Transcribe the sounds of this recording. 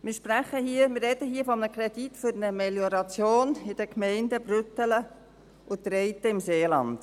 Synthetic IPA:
mɪːɾʃpræχəhiːəmɪrɛd̥əɦiːəfɔmənəkɾɛd̥itfʏɾnəmɛljɔɾɑt͡sjoːnɪd̥əkmɛɪndəbɾʏt̪ələ | ʔʊt̪ɾɛɪt̪əɪmseːlɑ̰nd̥

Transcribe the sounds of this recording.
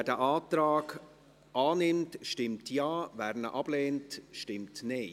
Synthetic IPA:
ɛːdɛʔaːtɾaːɡ | ʔɑːnɪmtʃtɪmtjɑːvæːɾnə̰ʔɑb̥leːntʃtɪmtneː

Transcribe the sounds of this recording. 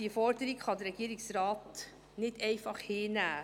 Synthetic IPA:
iəfɔɾdəɾikχɑdəɾɛɡ̥iːɾɪksrɑːt | nɪdɛɪfɑχheːnæː

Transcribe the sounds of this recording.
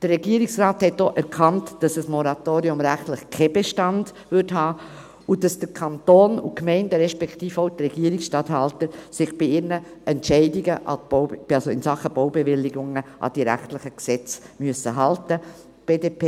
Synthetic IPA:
d̥ərrɛɡiːəɾiksraːthɛtːoːʔɛɾkʰɑntd̥ɑsəsmɔɾɑtoːɾiʊmɾæχtlɪχkʰɛb̥eʃtɑnd̥ | vʏɾthɑː | ʊd̥ɑsd̥əkʰɑntoːnṵkmɛɪndəɾɛʃpɛktiːfoʊtɾɛɡ̥iːɾɪksʃtɑthɑltəɾsɪχb̥iɪnəʔɛntɛɪdiɡəʔɑ̰̥ɑsoɪ̰nsɑχəb̥oʊbɛvɪlːɪɡʊŋəʔɑ̰d̥iɾæ̰χtlɪχəksɛt͡smyəsəɦɑltə | b̥eːdepe

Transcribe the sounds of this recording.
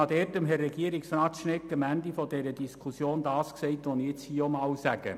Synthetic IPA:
ɑd̥ɛːtəmɦɛrːɛɡiəɾɪksrɑːtʃnɪkːəmændifɔdɛɾədiskʰusjoːndɑːskseɪtʋonɪt͡shiomɑːwsæɡə̰

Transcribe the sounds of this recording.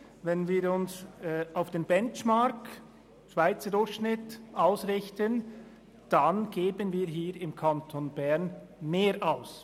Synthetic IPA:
vɛnviːɾʊnsaʊfd̥eːnbɛnt͡ʃmaɾk | ʃv̥aɪt͡sədʊɾçʃnɪtʔaʊsʁɪçtən | d̥anɡ̥eːbənviːɦiːɾɪmkʰantʰonbɛʁn | meːɾʔaʊs

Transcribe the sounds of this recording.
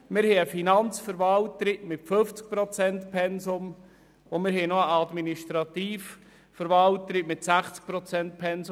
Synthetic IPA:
mɪɾhɛəfinɑnt͡sfəɾvɑltːɾiʔmɪtføft͡sk̚pɾot͡sɛntpʰɛnsʊm | omɪɾɦɛnoəɑd̪miniʃtɾɑt̪iːf | fəɾʋɑlt̪ːəɾɪkmɪtsæχt͡sk̚pɾɔt͡sɛnt̚pʰɛnz

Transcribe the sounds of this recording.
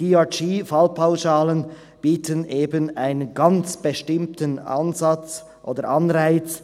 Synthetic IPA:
iɑt͡ʃiːfalpʰaʊʃaːlən | b̥iːtʰənʔeːbənʔaɪnənɡɑnt͡sb̥eʃtɪmtənʔa̰nzɑt͡s | ʔo̰ːdəɹʔɑnʁaɪt͡s

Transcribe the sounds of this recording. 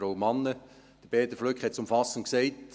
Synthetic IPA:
ɾoʊmɑnːə | d̥əɾb̥ɛːt̪əflœkχhɛt̚t͡sʊmfɑsənksɛɪt

